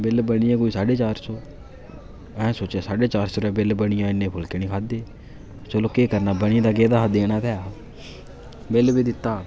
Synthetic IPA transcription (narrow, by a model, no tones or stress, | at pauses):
bɪlbəɽiɛ̃ːkoːiːsaːɖeːt͡ʃaːɾsoː | ɛ̃ːsoːt͡ʃaːsaːɖeːt͡ʃaːɾsoːɾɛːbɪlbəɽɪjãːɪnːẽːpʰʊlkeːniːkʰaːd̪eː | t͡ʃəloːkeːkəɾnaːbəɽ̃iːd̪aːɡeːd̪aːɦd̪eːñãːp̪ɛːaː | bɪlbiːd̪ɪt̪ːaː